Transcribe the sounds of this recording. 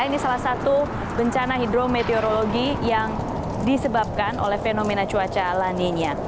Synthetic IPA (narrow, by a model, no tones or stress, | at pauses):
inisalasat̪u | bəɲt͡ʃanaɦidɾomet̪eoɾoloɡijaŋ | disəbap̚kanʔo̰lɛhfenomenat͡ʃuat͡ʃalaniɲa